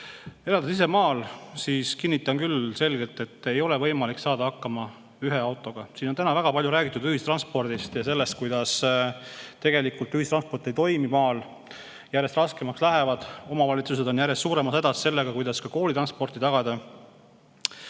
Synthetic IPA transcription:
e̞lɑld̪esise̞mɑːlsiːskinːit̪ːˑɑnkylse̞lɡ̥e̞lt̪ːˑe̞t̪ːˑe̞jo̞le̞vɤ̞jmɑliksɑːd̪ɑɑkːɑmɑ | yɦe̞ɑwt̪ːˑo̞ɡ̥ɑsiːnont̪ænɑvæɡ̥ɑpɑlʲjuɾæːɡ̥it̪ːˑud̪yhist̪rɑnspo̞rd̪̥ist̪jɑse̞lːe̞st̪̚kujd̪ɑs | t̪e̞ɡ̥e̞likult̪yhist̪rɑnspo̞rt̪ːˑejt̪o̞jmimɑːl | jæɾjest̪rɑske̞mɑkslæɦevɑd̪̥o̞mɑvɑlʲit̪sus̬e̞d̪o̞njæɾjest̪suːɾe̞mɑsed̪ɑsse̞lːe̞ɡ̥ɑkujd̪ɑskɑko̞ːlit̪ɾɑnspo̞rt̪it̪ɑɡ̥ɑd̪ɑ

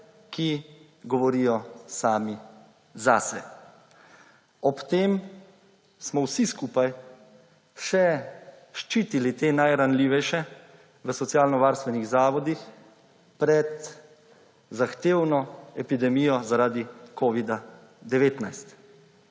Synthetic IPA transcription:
ki | ɡɔʋɔɾijɔsaːmi | zasɛ | ɔpt̪eːm | smɔwsiskuːpaj | ʃɛ | ʃt͡ʃiːt̪ilit̪eːnajɾanliːʋɛjʃɛ | ʋəsɔt̪sjaːlnɔʋaːɾst̪ʋɛniɣzaːʋɔd̪ix | pɾɛt̪ | zaxt̪eːwnɔɛpid̪ɛmijɔzaɾaːd̪ikoːʋid̪a | d̪ɛʋeːt̪najst̪

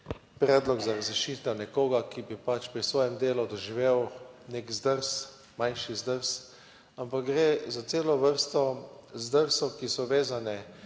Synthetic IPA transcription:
pɾɛːd̪lɔɡzaɾazɾiʃiːt̪ɛwnɛkoːɡakibipat͡ʃpɾisʋɔːjɛmd̪eːlud̪ɔʒiʋeːwneːkzd̪əɾs | majnʃizd̪əɾs | ampak̚ɡɾezat̪seːlɔʋəɾst̪ɔzd̪əɾsɔkisɔʋeːzanɛ

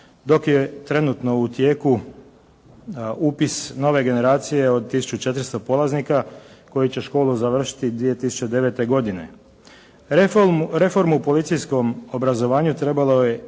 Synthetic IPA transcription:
d̪o̞kje̞t̪ɾe̞nut̪no̞ut̪je̞ːku | uːpisno̞ʋe̞ɡe̞ne̞ɾaːt̪sije̞o̞d̪̚t̪isu̥t͡ʃut͡ʃet̪ɾst̪opo̞lˠaznikako̞jit͡ɕeʃko̞ːluzaʋr̩ʃi̥t̪id̪ʋije̞t̪isu̥t͡ɕe̞d̪e̞ʋe̞t̪e̞ɡo̞d̪ine̞̰ | ɾe̞fo̞ɾmupo̞lit̪sijsko̞mobɾazo̞ʋaːɲut̪ɾe̞balo̞je̞

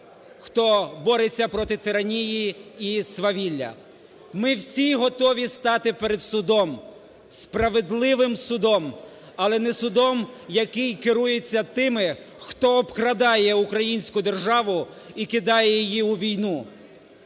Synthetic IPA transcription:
xt̪ɔbɔɾet͡sʲːɐpɾɔt̪ɪt̪ɪɾɐnʲijiisʋɐʋʲilʲːɐ̰ | mɪwsʲiɦɔt̪ɔʋʲist̪ɑt̪ɪpeɾed̪sʊd̪ɔm | spɾɐʋed̪lˠɪʋɪmsʊd̪ɔm | ɐlˠɛnɛsʊd̪ɔmjɐkɪjkɪɾujet͡sʲːɐt̪ɪmɪ | xt̪ɔːbkɾɐd̪ɑjɛukɾɐjinʲsʲkʊd̪e̞rʒɑʋʊ | ikɪd̪ɑjɛjjijiuʋʲijnu

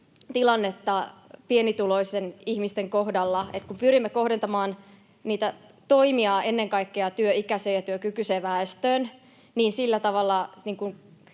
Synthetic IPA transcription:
t̪ilɑnːet̪ːɑpienit̪ulo̞isenihmist̪eŋko̞hdɑlːɑet̪kumpyɾimːeko̞hdent̪ɑmɑːn | niːt̪æt̪o̞imiɑenːeŋkɑikːeɑt̪yøikæseːjɑt̪yøkykyseʋæest̪øːn | niːnsilːæt̪ɑʋɑlːɑniːŋkun

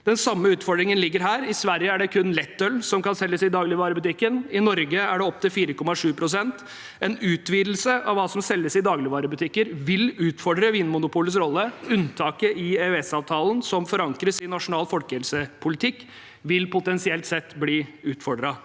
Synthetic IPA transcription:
d̪̥ɛnsɑmːəʉːt̪fɔɖɾɪŋənlɪɡːəɾɦæːɾɪsʋæɾjəæɖɛkʰʉnlɛt̪ːœlːsɔmkɑnsɛlːəsɪd̪ɑːɡlɪʋɑːɾəbʉt̪ɪkːənɪnɔɾɡəæɖɛɔp̚t̪ɪlfiːɾəkɔmːɑʂʉːpʰɾʊsɛnt̪ | ɛnʉːt̪ʋiːd̪l̩səɑʋːɑːsɔmsɛlːəsɪd̪ɑːɡlɪʋɑːɾəbʉt̪ʰɪkːəɾʋɪlʉːt̪fɔɖɾəʋiːnmʊnʊpʰuːləsɾɔlːəʉnt̪ʰɑːkəʔɪeɛsɑːʋt̪ʰɑːlənsɔmfɔɾɑŋkɾəsɪnɑʂʊnɑːlfɔlkəhɛlsəpʰʊlɪt̪ʰɪkː | ʋɪlpʊt̪ɛnsɪɛlt̪sɛt̪ːbliːʉːt̪fɔɖɾɑ

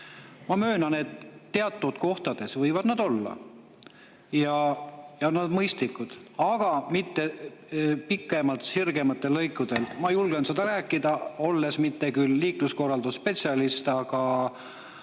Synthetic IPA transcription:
mɑmø̞ːnɑned̪ːe̞ɑt̪ːˑud̪̥ko̞ht̪ɑd̪̥e̞svɤjvɑd̪̥nɑd̪o̞lːɑ̰ | jɑjɑnɑd̪̥mɤjst̪likːˑud̪̥ɑɡ̥ɑmit̪ːe̞ | pikːˑemɑlt̪sirɡ̥e̞mɑt̪ːˑe̞lːɤjkːˑud̪̥e̞lmɑjulɡ̥ensed̪̥ɑɾæːkːˑid̪ɑo̞lːe̞smit̪ːe̞kylːiːklusko̞rːɑld̪̥usspe̞t̪ʲsiɑlist̪ɑɡ̥ɑ

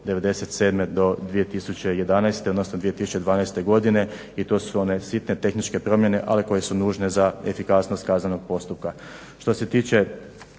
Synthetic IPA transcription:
d̪e̞ʋe̞d̪e̞set̪se̞ːd̪me̞d̪o̞d̪ʋijet̪isut͡ɕe̞je̞d̪anajst̪eod̪nosnod̪ʋijet̪isu̥t͡ʃe̞d̪ʋaːnajst̪e̞ɡo̞d̪ine̞ | it̪o̞ːsuo̞ne̞sit̪net̪e̞xnit͡ʃkepɾo̞mje̞ne̞̰ʔa̰liko̞je̞sunuːʒne̞zaefikasno̞st̪̚kaːznano̞ɡ̚po̞st̪up̚ka | ʃt̪o̞se̞t̪iːt͡ɕe̞

